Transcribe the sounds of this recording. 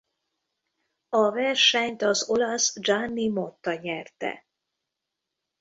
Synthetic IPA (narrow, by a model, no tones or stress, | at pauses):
ɒvɛrʃɛɲt̪ɒzo̞lɒsd͡ʒanːimo̞t̪ːɒɲɛrt̪ɛ̰